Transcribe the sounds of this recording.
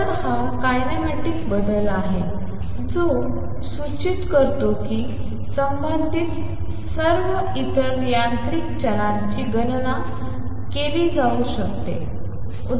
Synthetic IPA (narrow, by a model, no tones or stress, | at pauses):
əɾhãkajnemeʈiːkbəd̪əlaɦe | d͡zo | sut͡ɕit̪kəɾt̪oki | səmbənd̪ʱit̪ | səɾʋə | it̪ʰənjant̪ɾikt͡ɕəlãɲt͡ɕiːɡənna | keliːd͡zʱauɕəkt̪ḛ | u